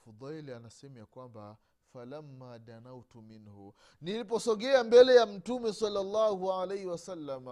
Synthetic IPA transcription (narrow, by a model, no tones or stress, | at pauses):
fud̪ˤajlanasɛmɛjakwamba | falamːaːd̪anawtuminhu | nilip̬ɔsɔɠɛambɛlɛjam̩tumɛsalːalˤːaːhualajhiwasalːama